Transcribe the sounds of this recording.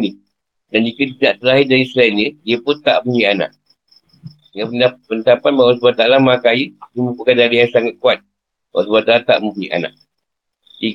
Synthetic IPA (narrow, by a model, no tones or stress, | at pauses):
ni | dand͡ʒikətidaʔt̪əɾaɦɪdaɾisəlainədiəpʊnt̪a̰ʔmuiʔana̰ʔ̚ | ŋapənapənt̪apanmawas̬buat̪alamakajədəməpukadaɾijaŋsaŋat̪̚kuat̪̚ | ma̰wasbat̪alat̪a̰ʔmupuiʔa̰na̰ʔ̚ | i